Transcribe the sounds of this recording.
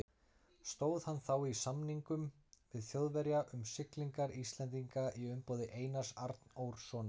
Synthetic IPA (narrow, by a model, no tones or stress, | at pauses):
st̪oːwðhanθawisamniŋkʏm | vɪðθjowðvɛɾjaʔʏmsɪkliŋkaɾist̪lɛnt̪iŋkaʔiʏmpoːwðɪʔeːjnḁsaɾt̪nowɾ̥sɔːna